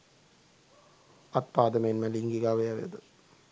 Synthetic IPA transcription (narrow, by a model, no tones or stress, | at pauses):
ɐt̪̚paːd̪ɐmenmɐliŋɡiɡaːʋɐjaʋeɐd̪ɨ